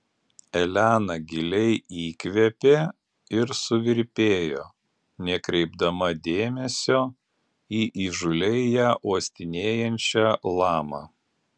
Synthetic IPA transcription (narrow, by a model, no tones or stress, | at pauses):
ɛlʲæːnɐɡʲɪlʲɛɪiːkʲʋʲɛpʲeː | ɪɾsʊʋʲɪɾʲpʲeːjo̰ː | nʲɛkɾʲɛɪbd̪ɐmɐd̪ʲeːmʲɛsʲoː | iːʔiːʒʊlʲɛɪjæːʔuːsʲt̪ʲɪnʲeːjɛnʲt͡ʃʲælˠɑːmɑ